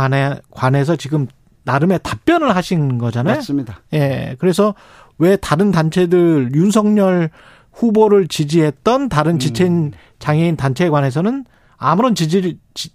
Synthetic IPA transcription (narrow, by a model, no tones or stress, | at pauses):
nekwane̞sʰʌt͡ɕiɡɯm | naɾɯme̞tap͈̚jʌnɯɭɦaɕʰinɡʌd͡ʑanajosaje̞kɯɾe̞sʰʌ | we̞taɾɯntant͡ɕʰe̞dɯɾjuns̬ʰʌŋɲʌɭ | ɸuboɾɯɭt͡ɕid͡ʑiɦe̞t̚t͈ʌntaɾɯnt͡ɕit͡ɕʰein | t͡ɕaŋɦeintant͡ɕʰe̞ɡwane̞s̬ʰʌnɯn | a̰muɾʌnt͡ɕid͡ʑit͡ɕ